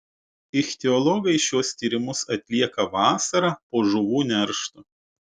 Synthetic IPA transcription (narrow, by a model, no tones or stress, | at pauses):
ɪxʲt̪ʲɛɔlˠɔɡɐɪʃʲuɔst̪ʲiːɾʲɪmʊsɐt̪ʲlʲiɛkɐʋɑːsɐɾɑːpoːʒʊʋuːnʲɛɾʃt̪ʊ